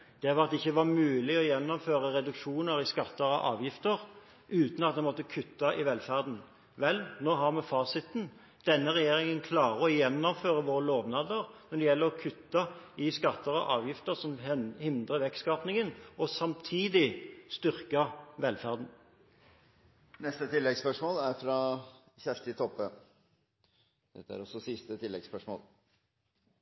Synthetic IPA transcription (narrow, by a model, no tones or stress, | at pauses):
d̪̥ɛʋɑɑt̪̚ɛɪçːəʋɑʁmʉːlɪɔjɛnːɔmføːʁəʁɛd̪ʉkʂuːnəɾɪskɑt̪ːəɾɔ̰ʔɑ̰ːʋjɪft̪əʁ | ʔʉːt̪nɑt̪d̪ɛnmɔt̪ːəkʰʉt̪ːɑʔɪʋɛlfæʁd̪n̩ | ʋɛlnoːɦɑʁmɛfɑːsɪt̪n | d̪̥ɛnːəʁɛjeːɾɪŋənkʰlɑːʁəɔjɛnːɔmføːʁəʋoːɾəloːʋnɑːd̪əʁnɔd̪ɛjɛlːəʁɔkʰʉt̪ːɑɪskɑt̪ːəʁɔ̰ʔɑːʋjɪft̪əʁsɔmhɪnd̪ʁəʋɛkskɑpnɪŋənɔsɑmt̪ʰiːd̪ɪst̪ʏʁkɑʋɛlfæʁd̪n̩ | nɛst̪ət̪ʰɪlːɛɡspœʂmoːlæɾfɾɑ | çæʂt̪ɪt̪ʰɔpːə | d̪̥ɛ̰t̪ːəæ̰ɾɔsɔsɪst̪ət̪ʰɪlːɛɡspœʂmo̰ːl